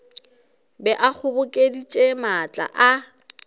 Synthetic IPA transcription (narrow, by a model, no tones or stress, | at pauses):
bɛʔak͡xʰʊbʊkʼedit͡ʃʼemat͡ɬʼa̰ʔa